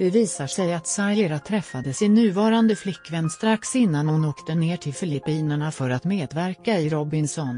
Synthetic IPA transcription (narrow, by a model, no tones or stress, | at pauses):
d̪̥ɛviːsaʂɛjat̪saɾjeɾat̪ʰɾɛfːad̪əsɪnːʉ̟ːvɑːɾand̪əflɪkːvɛnːst̪ɾaksɪnːanhʊnoːkt̪əneːʈʰɪlfœɭɪpiːnəɳafœɾat̪meːd̪væɾkaɪɾɔbɪnsɔn